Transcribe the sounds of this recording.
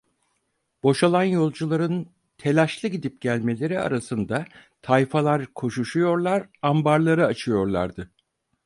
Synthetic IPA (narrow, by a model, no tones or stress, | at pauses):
b̥o̞ʃalˠanjo̞lˠd͡ʒulˠaɾɯn | t̪ʰe̞lʲaʃlˠɯɟid̪ip̚ɟælʲme̞lʲe̞ɾia̰ɾasɯnd̪at̪ʰajfalˠaɾkʰo̞ʃuʃujo̞ɾlˠaɾambaɾlˠaɾɯat͡ʃʰɯjo̞ɾlˠa̰ɾd̪ɯ